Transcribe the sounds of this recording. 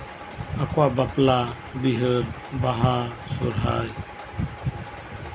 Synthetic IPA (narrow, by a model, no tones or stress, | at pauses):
akwabapla | biɦɯɾ | baɦasṵɾɦa̰j